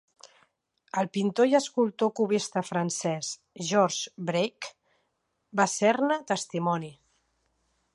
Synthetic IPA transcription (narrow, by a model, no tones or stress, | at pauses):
əlˠpint̪ojəskulˠt̪okuβist̪əfɾənsɛs | ʒɔɾʒbɾejk | basɛrnət̪əst̪imɔni